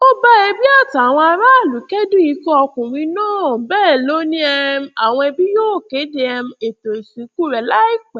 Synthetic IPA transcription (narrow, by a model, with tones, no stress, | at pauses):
o˦ba˦e˧bi˦a˦˨ta˨w̃ɔ̃˧a˧ɾa˦˨lu˨˦kɛ˦dũ˦i˧˦kɔ˦ɔ˧kũ˨ɾĩ˨˧˦nãː˦˨bɛː˦˨lo˦nĩ˦ɛ˧m̩˦a˨w̃ɔ̃˧ɛ˧bi˦jo˦˨ke˨˦de˧ɛ˧m̩˧e˨to˨si˨˦ku˦˨ɾɛ˨la˦i˦˨k͡pɛ˨